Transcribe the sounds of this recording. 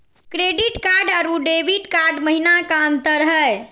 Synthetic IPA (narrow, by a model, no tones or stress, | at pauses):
kɾeɖiʈkaɾɖəɾuɖebiʈkaɾɖməɦinakant̪əɾəɦəj